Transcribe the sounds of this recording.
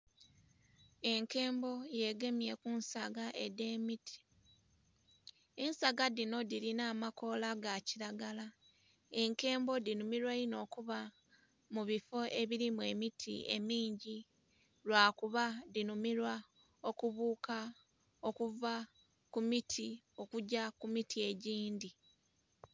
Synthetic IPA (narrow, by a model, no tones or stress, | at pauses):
e̞ŋke̞ːmbo̞je̞ɡe̞mje̞kunsaɡaʔe̞de̞ːmitʰi̥ | ensaɡadino̞diɾinaːmako̞laɡaciɾaɡala | e̞ŋke̞ːmbo̞dinumiɾwaino̞ːkuβa | muβifo̞ʔe̞βiɾimue̞mitʰḭe̞̰miːɲɟi | lwaːkuβadinumiɾwa | o̞kuβuːka | o̞kuva | kumitʰi | o̞kuɟakumitʰie̞ɟiːndi